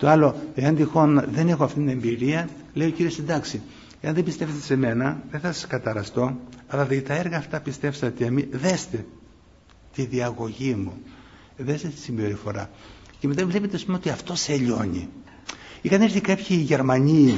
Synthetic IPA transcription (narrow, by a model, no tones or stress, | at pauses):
t̪oɐlo̞e̞ɐnd̪ixo̞nɐðe̞ne̞xoɐft̪it̪ine̞mbiɾiɐ | le̞io̞ciɾio̞send̪ɐksi | eɐnðebist̪e̞fest̪ese̞me̞nɐðeθɐsɐ̥skɐt̪ɐɾɐst̪o̞ɐlɐðt̪ɐeɾɣɐːft̪ɐpist̪e̞fsɐt̪emiðe̞st̪e̞ | t̪iðiɐɣo̞ʝimu | ðest̪et̪i̥simbe̞ɾifo̞ɾɐceme̞t̪ɐvle̞pet̪eɐspumeot̪iɐft̪o̞seʎo̞nḭ | ikɐneɾθikapçiːʝe̞ɾmɐɲi